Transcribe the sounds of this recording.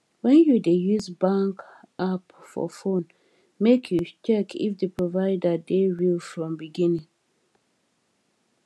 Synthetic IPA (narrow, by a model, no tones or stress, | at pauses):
wɛ̃njudejuzbãŋk | apfɔ̰fõn | mekʰjut͡ʃɛkʰḭfdəpʰɹɔvaɪdadeɹilfɹɔ̃mbiɡĩnĩŋ